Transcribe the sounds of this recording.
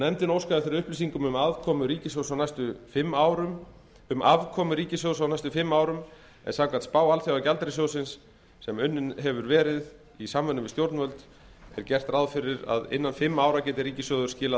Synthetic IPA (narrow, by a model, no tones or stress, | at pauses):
nɛmt̪ɪnowskaðɪθɪɾɪɾʏhplis̬iŋkʏmʏmavkʰɔmʏɾiːcɪsjowsawnast̪ʏfɪmːaːwɾʏ | ʏmʔavkʰɔːmʏɾiːcɪsjowðsawnajst̪ʏfɪmːaːwɾʏm | ɛ̰nsawkvat̪spaːwalθjawacalt̪ɾɪs̬owsɪnsː | ɛmʏnːɪnɦɛvʏɾvɛːɾɪð | isamvʏnʏmɪst̪jowɾt̪nvœlt̪ | ɛ̰ɾcɛr̥t̪raðfɪɾɪɾa̰ðɪ̰nːanfɪmːaːwɾacɛːt̪ɪɾiːcɪsjœðʏɾ̥scɪːla